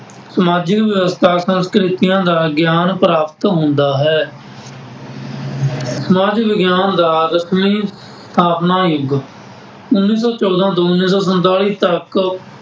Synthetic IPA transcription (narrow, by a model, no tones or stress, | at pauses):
səmaːd͡ʒɪkʋjəʋəst̪ʰaːsə̃nskɾɪt̪ɪjãːd̪aːɡjaːnpɾaːpt̪ɦʊ̃nd̪aːɦɛː | səmaːd͡ʒɪkʋɪɡjaːnd̪aːɾəsmiːs | t̪ʰaːpnaːjʊɡ | ʊnːiːs̬ɔːt͡ʃɔːd̪ãːt̪oːʊnːiːsɔːs̬ənt̪aːɭiːt̪ək